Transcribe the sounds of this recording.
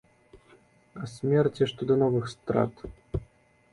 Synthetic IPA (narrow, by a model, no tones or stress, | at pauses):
asʲmʲɛrt͡sʲiʂt̪ɔd̪ɐnɔvɨxst̪ɾa̰t̪